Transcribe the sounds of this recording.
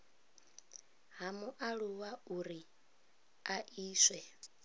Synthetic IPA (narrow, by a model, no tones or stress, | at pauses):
ɦamuʔaɺuwauɾi | aʔiːswɛ